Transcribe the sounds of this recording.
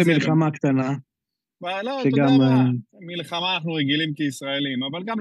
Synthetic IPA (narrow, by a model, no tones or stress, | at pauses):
emilχamakt̪ana | baloʃeɡammilχamaːnaχnuʁeɡilimkeisʁaelimavalɡam